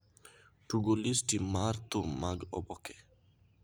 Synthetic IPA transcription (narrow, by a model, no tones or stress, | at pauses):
ʈuɡolistimaɾt̪umaɡɔ̰bɔkɛ̥